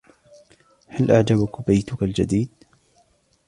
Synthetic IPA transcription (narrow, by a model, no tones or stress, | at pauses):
halʔaʕd͡ʒabʊkbajt̪ʊkald͡ʒad̪iːd̪